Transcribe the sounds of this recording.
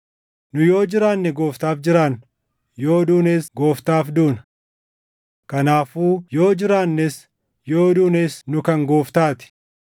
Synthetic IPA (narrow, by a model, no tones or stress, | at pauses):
nʊjo̞ːd͡ʒɪɾaːnːɛɡo̞ːft̪aːfd͡ʒɪɾaːn | jo̞ːd̪uːneːsɡo̞ːft̪aːfd̪uːnɐ | kɐnaːfuːjo̞ːd͡ʒɪɾaːnːɛs | jo̞ːd̪uːneːsnʊkɐŋɡo̞ːft̪aːt̪ɪ̥